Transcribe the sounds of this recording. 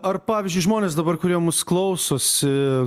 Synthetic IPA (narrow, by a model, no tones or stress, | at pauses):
ɐrpɑːʋʲɪzʲd͡ʒʲʊɪʒmoːnʲeːsd̪ɐbɐrkʊɾʲiɛmʊsklˠɐʊsoːsʲɪ